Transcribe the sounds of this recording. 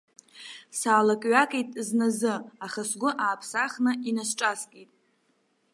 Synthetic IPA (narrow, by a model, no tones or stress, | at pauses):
saːlakʼɥakʼijtʼznazɨaχasɡʷʊʔaːpʰsaχnɨʔinasʈ͡ʂʼaskʼitʼ